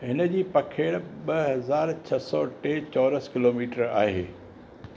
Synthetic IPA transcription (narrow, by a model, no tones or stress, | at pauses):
ɦɪnə̆d͡ʑiːpɐkʰeːɽɓɐɦɐzaːɾt͡ɕʰɐsɔːʈeːt͡ɕɔːɾəskɪloːmiːʈəɾa̰ːɦeː